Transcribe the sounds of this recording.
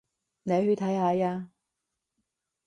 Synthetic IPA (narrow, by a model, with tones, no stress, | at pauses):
ne˨˧jhɵ˧t̪ʰɐ˨˥jhaː˨˧jaː˧